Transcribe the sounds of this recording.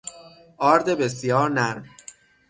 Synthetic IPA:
ʔɒːɾd̪ebesjɒːɾnæɾm

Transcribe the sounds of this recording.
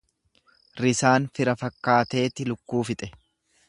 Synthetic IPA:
ɾɪsaːnfɪɾɐfɐkːaːt̪e̞ːt̪ɪlʊkːuːfɪt̪ʼɛ̥

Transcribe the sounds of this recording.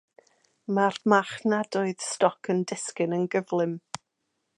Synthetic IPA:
marmaχnadɔɨð̥stɔkʰəndɪskɪnənɡəvlˠɪm

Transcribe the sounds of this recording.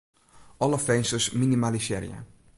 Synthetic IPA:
ɔlɔfɛnsəsminimaliʃɛ̰ɾja̰

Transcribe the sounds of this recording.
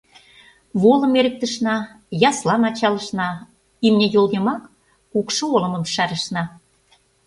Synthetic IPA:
βolə̆meɾə̆k̚t̪ə̆ʃnɑ | jɑslɑmɑt͡ɕɑlə̆ʃnɑ | imnʲejolɣemɑk | ukʃoolə̆mə̆mʃæɾə̆ʃnɑ

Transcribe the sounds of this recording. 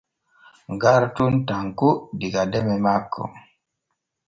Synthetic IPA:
ŋɡaɾtuntaŋkudikadɛmɛmakʰːɔ̰

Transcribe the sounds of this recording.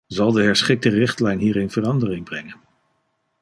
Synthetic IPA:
zɑlˠdəɦɛɹsχɪk̚tərɪχtlɛjnɦiːɾɪnv̥ərɑndərɪŋbrɛŋən

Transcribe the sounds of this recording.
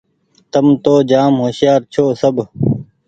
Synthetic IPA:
t̪əmt̪oːd͡ʒaːmɦoːsjaːɾt͡ʃʰoːsəb

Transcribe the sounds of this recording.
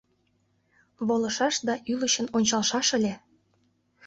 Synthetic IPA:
βolˠɤ̆ʃɑʃd̪ɑʔyləɕənonʲt͡ɕɑlʃɑʃə̆lʲe

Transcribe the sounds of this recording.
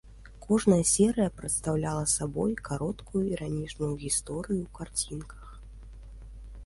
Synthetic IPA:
kɔʐnɐjɐsʲɛɾɨjɐpɾɨt̪st̪awlʲalˠɐsabɔjkaɾɔt̪kujuiɾanʲit͡ʂnujuɣʲist̪ɔɾɨjukart͡sʲinkʰɐ̥x

